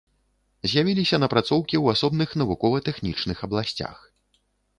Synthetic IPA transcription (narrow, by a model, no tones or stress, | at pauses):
zʲjavʲilʲisʲɐnɐpɾat̪sɔwkʲiwasɔbnɨxnɐvukɔvɐt̪ɛxnʲit͡ʂnɨxɐblˠasʲt͡sʲa̰x